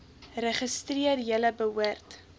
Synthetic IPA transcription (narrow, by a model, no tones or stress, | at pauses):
rəχəstriərjələbəuərt